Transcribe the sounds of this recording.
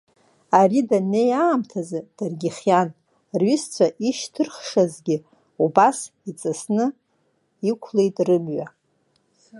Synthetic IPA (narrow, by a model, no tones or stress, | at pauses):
aridanejaːmtʰazɨd̥arɡʲɪχjan | rɥʏst͡sʷʰaʔiʃtʰɨrχʂazɡʲɪ | ubasit͡sʼasnɨ | ikʷʰlejtʼrɨmɥa